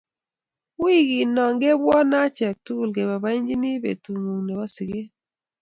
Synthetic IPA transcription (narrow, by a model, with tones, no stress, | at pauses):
wi˦˨ɡi˨nɔ˨ŋɡe˦bwɔ˦na˦t͡ʃɛ˨k̚tu˦˨lɡe˨βa˨ba˦i˦ɲd͡ʒi˦ni˦bḛ˨tu˨ŋu˨ŋne˨βa˦si˨ɡe˦